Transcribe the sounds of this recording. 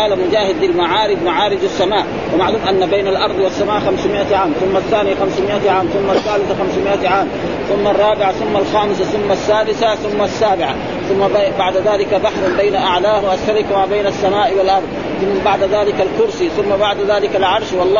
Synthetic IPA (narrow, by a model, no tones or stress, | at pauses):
aːlamʊd͡ʒaːhɪd̪ɪlmaʕaːɾɪd̪maʕaːɾɪd͡ʒasːamaːʔ | wamaʕluːmʔanːabejnalʔɑɾˤd̪ˤwasːamaːʔxamsmɪʔaʕaːmθʊmːaθːaːnijaxamsmɪʔaʕaːmθʊmːaθːaːlɪθxamsmɪʔaʕaːm | θʊmːarˤːɑːbɪʕaθʊmːalxaːmɪsaθʊmːasːaːd̪ɪθaθʊmːasːaːbɪʕa | θʊmːabaʕd̪aðaːlɪkab̪aħɾˤʊnbejnaʔaʕlaːhwʔasːalɪkmaːbejnasːamaːʔwɪlʔɑɾˤd̪ˤ | θʊmːabaʕd̪aðaːlɪkalkʊɾsiθʊmːabaʕd̪aðaːlɪkalʕɑɾˤʃwɑlˤː